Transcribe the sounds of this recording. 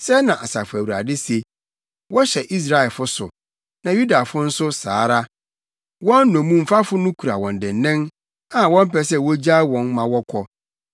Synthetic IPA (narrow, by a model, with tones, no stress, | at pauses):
sɛ˦nã˨ʔa˨sa˨fæ˨wu˨ɾa˨dɪ˦se˨ | wɔ˦ɕɛ˨ʔi˦s̬ɾa˦ɛ˨lfʊ˦sʊ̰˨ | nã˨ju˦da˨fʊ˦n̩˦sʊ˦sa̰ː˨˦ɾa˦ | wɔ̃˦n̩ː˦ɔ̃˨mũ˦m̩˨fa˦fʊ˦nʊ̃˦kʰu˨ɾa˨wɔ̃˨n˨dɪ̃˨nː˨ɛ̃˦n | ã˨wɔ̃˦m̩˦pɛ˦˨s̬ɛ˦wɔ˦d͡ʑa˦wɔ̃˨nmã˨wɔ˦kʷʰɔ˦